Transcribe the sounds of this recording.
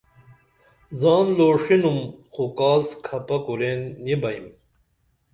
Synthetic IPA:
zɑːnloːʂinumxukaːskʰɐpɐkuɾenːibɐim

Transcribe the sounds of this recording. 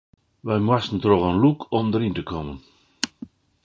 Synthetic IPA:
ʋajmwastn̩trɔvanlukʰɔmdəɾintəkʰɔmən

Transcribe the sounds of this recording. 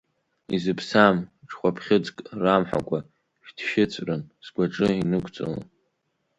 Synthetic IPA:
izɨpʰsamʈ͡ʂʰʼχʷapʰχʲɪd͡zkʼramħa̰kʷʼa | ʃᶣdʰʃɪt͡sʷʼrɨnz̥ɡʷaʈ͡ʂʼɨinɨkʷʰʼt͡sʷʼɨ̰l̰

